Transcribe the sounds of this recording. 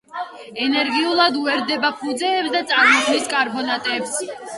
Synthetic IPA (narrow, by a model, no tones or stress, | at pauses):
ɛnɛɾɡiulˠad̪uɛɾd̪ɛbapʰud̪zɛːpsd̪at̪sʼaɾmɔkʰniskʼaɾbɔnat̪ʼɛps